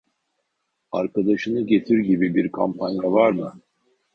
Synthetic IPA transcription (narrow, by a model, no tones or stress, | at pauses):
aɾkad̪aʃɯnɯɟe̞t̪ʰiɾɟibibiɾkʰampʰanjavaɾmɯ